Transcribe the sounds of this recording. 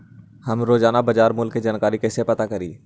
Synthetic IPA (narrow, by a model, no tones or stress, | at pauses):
hɐmɾoːd͡ʒaːnabɐd͡ʒaːɾmʊlkːid͡ʒaːnkaːɾikɛːsepɐt̪akɐɾḭː